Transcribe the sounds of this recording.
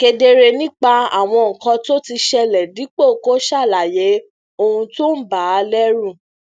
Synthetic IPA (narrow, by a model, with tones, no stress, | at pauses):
ke˧de˧ɾe˧nĩ˦k͡pa˧a̰˦˨w̃ɔ̃˧ŋ̩˨kɔ̃˧to˦ti˧ʃɛ˧lɛ˨di˨˦k͡po˦˨ko˦ʃa˦˨la˨je˨˦ | o˧hũ˧to˦n̩˦ba˨˦lɛ˦ɾũ˦˨